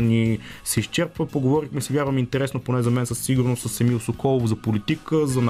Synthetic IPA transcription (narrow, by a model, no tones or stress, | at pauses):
nisɛiʃt͡ʃɛɾpvəpoɡovɔɾixmɛsɛvjaɾvəmint̪ɛɾɛsnoponɛzɐmɛnsəsːiɡuɾnost̪səsɛmiʊsokɔlˠovozɐpolit̪ikəzɐn